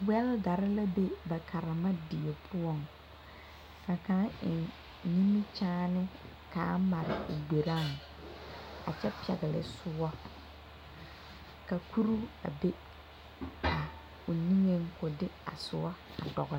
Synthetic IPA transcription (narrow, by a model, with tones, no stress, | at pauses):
wɛ˦lɡa˨ɾɪ˦la˦be˦ba˨kʰa˨ɾa˨ma˦di˨e˨pʰʊ˦ɔ˦˨ŋ | ka˨kã˨˦ɪ˨ | ni˦mi˦t͡ʃaː˦nɪ˦ | kaː˨˦ma˨ɾɪ̰˨ʊ˨ɡ͡be˨ɾa˦˨ŋ | a̰˨t͡ʃɛ˦pɛ̰˨ɣɪ˨lɪ̰˨sʊ˦ɔ˦ | ka˨kʰu˦ɾu˦a̰˨be˦ | ka˨ | ʊ˨ni˦ŋe˦ŋkʊ˨dɪ˦a̰˨sʊ̰˨˦ɔ˦ | a̰˨dɔ̰˨ɣ